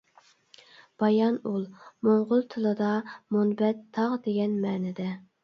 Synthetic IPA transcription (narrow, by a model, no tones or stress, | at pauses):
b̥ɑjɑnulˠmoɴʁʊlˠt̪ʰɨlˠɨd̪ɑmonbɛt̪ʰːɑʁd̪eɡʲɛnmɛːnɪd̪ɛ